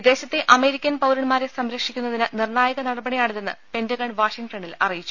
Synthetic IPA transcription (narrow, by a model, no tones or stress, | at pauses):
d̪eːɕɐt̪ːeʔɐme̞ːɾikʲːɐnpɐwɾɐɳmaːɾesɐmɾɐkʂikʲːunːɐðinɨnirɳaːjɐɣɐnɐɽɐbɐɳijaːɳit̪ːenːɨ̰pe̞nd͡ʑɐɣɐɳʋaːʂiŋʈɐɳilɐ̰rijit͡ɕːu